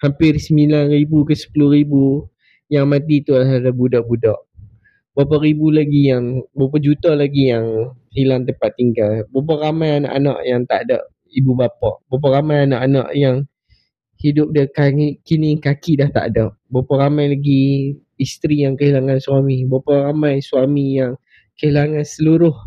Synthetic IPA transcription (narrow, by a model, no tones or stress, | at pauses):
hampɪrsəmilanribukəsə̥pulʊhɾibu | jaŋmãt̪it̪ulaɦadabudaʔbudaʔ | bapɔʔɾibulaɡijaŋbap̬ɔd͡ʒut̪alaɡijaŋhilaŋt̪̬əmpat̪ːiŋɡalbap̬ɔʔɾamajana̰ʔanã̰ʔjaŋt̪a̰ʔadaʔ | ibubapɔʔbap̬ɔʔramajanaʔana̰ʔjaŋ | hidʊp̚dakaikinikakidaht̪a̰ʔdaʔbapɔɾamajlaɡi | ist̪ɾijaŋkəɦilaŋansuamibaparamajsuamijaŋ | kəɦilaŋãnsəluɾʊh